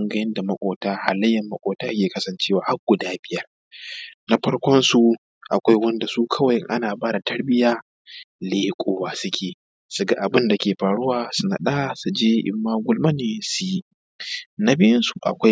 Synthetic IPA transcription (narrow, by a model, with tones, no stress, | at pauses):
ɐ˦ŋɡɐ˦jɪ˦nda˨mɐ˦kʷʼoː˨taː˦ha˨lɐ˦jːɐ˨mːɐ˦kʷʼoː˨taː˦kʲeː˨kɐ˦sɐ˨nt͡ʃeː˦waː˨ha˦k̚ɡʷʊ˨daː˦bɪ˦jɐ˦r | nɐ˦ɸɐ˦ɽkʷɔ˦nsu˨ | ʔa̰˨kʷa˦jwɐ˦nda˨suː˦kʰɐ˦wɐ˨jɪ˦ŋʔa̰˦naː˨baː˦da˨tɐ˦ɽbɪ˦jaː˦ | leː˦kʷʼoː˦waː˨sʊ˦kʲʰeː˨ | su˨ɡa˦ʔa˨bɪ˦nda˨kʲeː˨ɸaː˨ɽʊ˦waː˨sʊ˨na̰˨ɗaː˦su˨d͡ʒeː˦ʔɪ̰˦mːaː˦ɡʷʊ˦lma˦neː˨su˨ji˦ | na˦bɪ˦jɪ˦nsu˨ʔa̰˨kʷa˦j